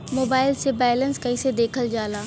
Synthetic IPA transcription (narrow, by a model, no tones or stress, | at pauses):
moːbaːɪlsebɛːlənskaɪsed̪eːkʰəld͡ʒaːlaː